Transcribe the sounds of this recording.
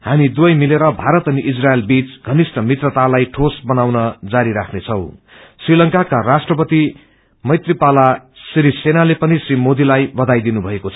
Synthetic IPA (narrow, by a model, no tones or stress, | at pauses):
hamid̪wʌjmileɾʌbʱaɾʌt̪ʌniʔid͡zrajelbit͡sɡʱʌnisʈʌmit̪rʌt̪alajʈʰosbʌnawnʌd͡zaɾiɾakʰnet͡sʰʌw̃ | srilʌŋkakarasʈrʌpʌt̪i | mʌjt̪ripala | sɾisenalepʌnisrimod̪ilajbʌd̪ajd̪inubʱʌekot͡sʰʌ